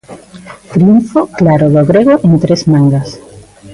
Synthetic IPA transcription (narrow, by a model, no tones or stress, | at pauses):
t̪ɾiuɱfoklaɾoðoɣɾeɣ̞oʔent̪ɾezmãŋɡas